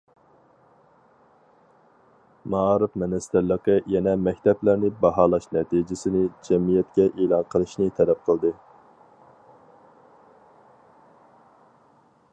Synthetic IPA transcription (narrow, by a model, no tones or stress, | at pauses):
mɑɑːɾɨfmɛnɛst̪æɾlːəqəjɛnɛmɛkʲt̪ʰɛplæɾnɪbɑɦɑːlˠɑʃnɛt̪ʰid͡ʒɪsɪnɪd͡ʒɛmijɛt̪̚kʲɛʔelˠɑnqʰəlˠɨʃnɨt̪ʰɛlɛp̚qʰəlˠd̪ɨ